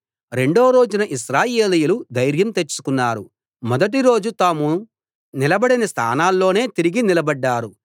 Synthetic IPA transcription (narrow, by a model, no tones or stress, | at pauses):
ɾe̞ɳɖoːɾo̞ːd͡ʒunɐʔiʃɾaːje̞ːlijulud̪ɐjɾjɐmt̪e̞t͡ʃːu̥kunːaːɾu | mɔd̪ɐʈ̬iɾo̞ːd͡ʒut̪aːmu | nilɐbɐɽinɐst̪ʰa̰ːnaːlːo̞ːne̞ːt̪iɾiɡinilɐbɐɖːaːɾu